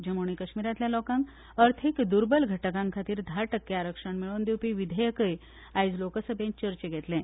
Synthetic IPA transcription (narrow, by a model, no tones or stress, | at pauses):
d͡ʑəmoɳ̃ikəɕmiɾat̪ljalɔkãŋk | əɾt̪ʰikd̪uɾbəlɡʱəʈəkãŋkʰat̪iːɾd̪ʱaɾʈəkːeaɾəkʂəɳmiɭond̪ewpiʋid̪ʱəjəkəj | ajd͡zlokəsəbẽɲt͡ɕəɾt͡ɕeɡʱɛt̪lẽ